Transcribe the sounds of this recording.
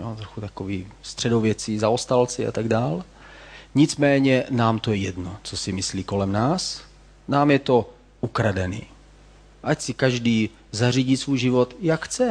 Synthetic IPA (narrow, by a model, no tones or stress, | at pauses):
jot̪ɾoxut̪akoviːst̪r̝̥ɛdo̞vjɛt͡sizaost̪alt͡sɪʔa̰t̪aɡdaːl | ɲɪt͡smɛːɲɛnaːmt̪ojɛjɛdnot͡sosɪmɪsliːko̞lɛmnaːs | naːmjɛt̪o̞ | ʔukɾadɛnḭː | ʔacsɪkaʒdiː | zariɟit̪svujʒɪvot̪jakxt͡sɛ